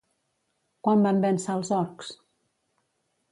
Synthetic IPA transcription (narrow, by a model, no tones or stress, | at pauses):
kwambambɛnsalˠzɔɾks